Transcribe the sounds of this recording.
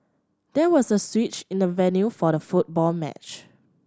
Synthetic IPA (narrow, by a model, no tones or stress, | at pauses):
d̥ɛwɔsəswit͡ʃɪ̃ndəvɛnjufɔɾəfut̚bɔlmɛ̰t͡ʃ